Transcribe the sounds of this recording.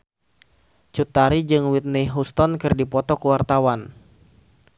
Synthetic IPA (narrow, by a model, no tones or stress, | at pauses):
t͡ʃut̪aɾid͡ʒɨŋwit̪̚niɦust̪ɔnkɨrdipɔt̪ɔkəwart̪awan